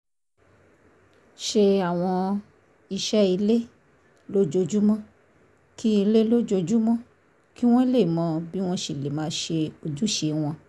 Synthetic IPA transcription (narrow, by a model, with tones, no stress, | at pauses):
ʃe˧a˨w̃ɔ̃˧ | i˧ʃɛ˦i˧le˦ | lo˦d͡ʒo˧d͡ʒu˦mɔ̃˦ | ki˦i˧le˦lo˦d͡ʒo˧d͡ʒu˦mɔ̃˦ | ki˦w̃ɔ̃˦i˦le˦˨mɔ̃˧bi˦w̃ɔ̃˦ʃi˨le˨mãː˨˦ʃe˧o˧d͡ʒu˦ʃe˧˨w̃ɔ̃˧